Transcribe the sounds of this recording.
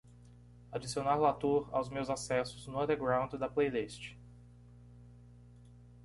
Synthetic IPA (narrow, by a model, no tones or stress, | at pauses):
ad͡ʒisionaɾlat̪uɾa̰wzmewzasɛsʊznʊɐ̃d̪eɾɡɾãw̃d͡ʒ̪ɪd̪ɐplejlist͡ʃɪ̥